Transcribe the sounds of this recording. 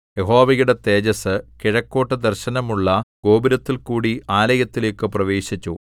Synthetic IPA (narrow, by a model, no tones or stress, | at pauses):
jeɦo̞ːʋɐjuɽe̞t̪e̞ːd͡ʑɐsɨkiɻɐkːo̞ːʈːɨd̪ɐrɕɐnɐmuɭːɐɡ̥o̞ːbiɾɐt̪ːilkuːɽiaːlɐjɐt̪ːile̞ːkːɨprɐʋe̞ːɕit͡ɕːu